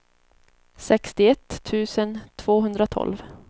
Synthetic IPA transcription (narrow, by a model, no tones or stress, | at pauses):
sɛkst̪ɪɛt̪ʰːʉ̟ːsənt̪ʰv̥oːɦɵnd̪ɾat̪ʰɔ̰lv